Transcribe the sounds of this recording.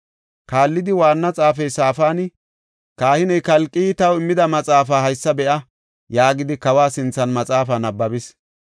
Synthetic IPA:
kaːlːɪd̪ɪwaːnːɐt͡sʼaːfɛjsaːfaːn | kaːhɪnɛjkɐlkʼːiːt̪ɐwɪmːɪd̪ɐmɐt͡sʼaːfaːɦɐjsːɐbɛʔɐ | jaːɡɪd̪ɪkɐwaːsɪnt͡sːɐnmɐt͡sʼaːfaːnɐbːɐbɪs

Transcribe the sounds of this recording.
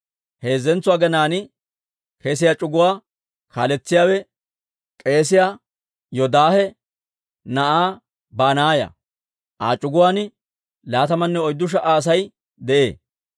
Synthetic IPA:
he̞ːzːɛnt͡sːʊwaːɡɛnaːnɪ | kʰeːs̬ɪjaːt͡ʃʼʊɡʊwaː | kaːlɛt͡sːɪjaːwɛ | kʼe̞ːs̬ɪjaː | jɔd̪aːhɛ | nɐʔaː | baːnaːjɐ̰ | ʔa̰ːt͡ʃʼʊɡʊwaːnɪ | laːt̪ɐmɐnːɛɔjd̪ːʊʃ̬ɐʔaːs̬ɐj | d̪ɛʔe̞̰ː

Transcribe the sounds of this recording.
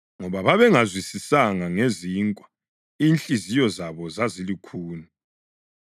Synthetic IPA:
ŋɔβaβaβɛŋazwisisaŋaŋeziːŋkʼwḁ | iːnt͡ɬʼizijɔzaβɔzazilikʰuːnu

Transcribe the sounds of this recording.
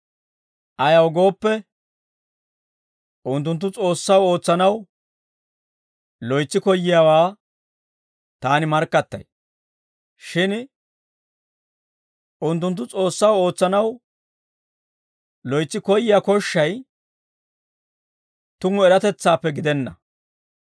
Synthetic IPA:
ʔɐjɐwɡo̞ːpːɛ | ʔʊnt̪̬ːʊnt̪̬ːʊt͡sʼo̞ːsːɐwo̞ːt͡sːɐnɐw | lɔjt͡sːɪkɔjːɪjaːwaː | t̪aːnɪmɐɾkːɐt̪ːɐ̰j | ʃɪn | ʔʊnt̪̬ːʊnt̪̬ːʊt͡sʼo̞ːsːɐwo̞ːt͡sːɐnɐw | lɔjt͡sːɪkɔjːɪjakɔʃːɐj | t̪ʊŋːʊɛɾɐt̪ɛt͡sːaːpːɛɡɪd̪ɛnːɐ

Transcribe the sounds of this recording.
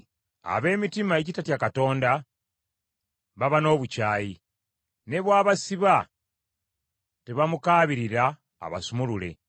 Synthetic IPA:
a̰βe̞ːmitimaecitatjakato̞ːnda | βaβano̞ːβucaːji | ne̞βwaːβasiβa | teβamukaːβiɾiɾa̰ː | βa̰sumulule̞̰

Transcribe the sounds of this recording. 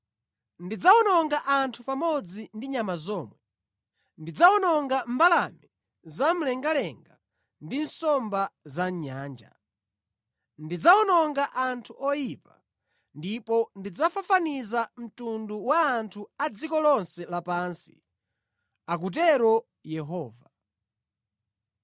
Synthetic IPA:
ndid͡zaɔnɔŋɡaʔantʰupamɔd͡zindiɲamazɔːmwɛ | ndid͡zaɔnɔŋɡambalami | zam̩lɛŋɡalɛŋɡa | ndinsɔmbazaɲaːnd͡ʒa̰ | ndid͡zaɔnɔŋɡaʔantʰuʔɔjipa | ndipɔndid͡zafafanizam̩tunduwaːntʰuad͡zikɔlɔnsɛlapansi̥̰ | ak̬ut̬ɛɾɔ | jɛɦɔːva

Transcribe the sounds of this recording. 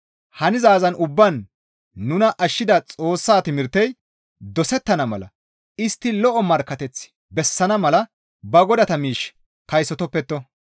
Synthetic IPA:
hɐnɪzaːzɐnʔʊbːɐnː | ʊnɐʔɐʃːɪd̪ɐt͡sʼo̞ːsːaːt̪ɪmɪɾt̪ːɛj | d̪ɔsɛt̪ːɐnɐmɐ̰lɐ̰ | ɪst̪ːɪlɔʔɔmɐɾkːɐt̪ɛt͡sː | bɛsːɐnɐmɐlɐ | bɐɡɔd̪ɐt̪ɐmiːʃ | kɐjsɔt̪ɔpːɛt̪ːɔ

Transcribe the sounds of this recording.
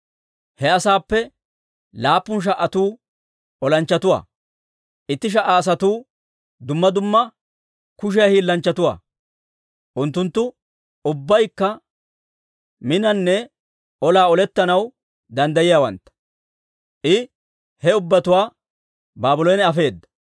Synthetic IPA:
hɛɐsaːpːɛ | laːpːʊnʃ̬ɐʔːɐt̪uː | ɔlɐnt͡ʃːɐt̪ʊwa̰ː | ʔɪt̪ːɪʃ̬ɐʔaːs̬ɐt̪uː | d̪ʊmːɐd̪ʊmːɐ | kʊʃ̬ɛjɐhiːlːɐnt͡ʃːɐt̪ʊwa̰ː | ʔʊnt̪ːʊnt̪ːʊ | ʊbːɐjkːɐ | mɪnɐnːɛ | ɔlaːɔlɛt̪ːɐnɐw | d̪ɐnd̪ɐjɪjaːwɐ̰nt̪ːɐ̥ | ʔɪ | hɛʊbːɐt̪ʊwaː | baːbʊlɔjnɛɐfe̞ːd̪ːɐ̥

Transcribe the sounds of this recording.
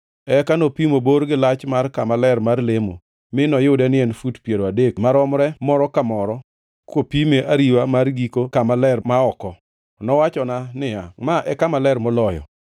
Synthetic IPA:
ɛkanopimoboɾɡɪlat͡ʃmarkamalɛɾmarlemo̰ | mɪnɔjɪdɛnɪɛnfutpjeɾoadek̚maɾɔmɾɛmɔɾɔkamɔɾɔ | kopimeʔaɾiwamarɡikokamalɛrmaɔkɔ | nɔwat͡ʃɔnanɪamaʔɛkamalɛrmɔlɔjɔ̰

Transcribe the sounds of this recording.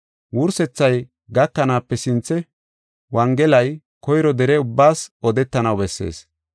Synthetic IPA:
wʊɾsɛt͡sːɐj | ɡɐkːɐnaːpːɛsɪnt͡sːɛ | wɐŋɡɛlɐj | kɔjɾɔd̪ɛɾɛʊbːaːsɔd̪ɛt̪ːɐnɐwbɛsːe̞̰ːs

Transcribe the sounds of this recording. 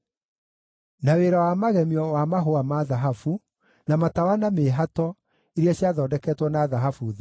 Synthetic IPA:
naweːɾawamaɣɛmiɔwamaɦoamaðaɦafu | namatawanameːɦatɔ | eɾiaɕjaðɔːdɛkɛtwɔnaðaɦafuð

